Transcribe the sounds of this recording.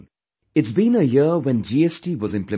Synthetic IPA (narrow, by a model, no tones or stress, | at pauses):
ɪtsbĩnəjɪwɛ̃nd͡ʒiːɛsʈiwɔzɪ̃mplɨ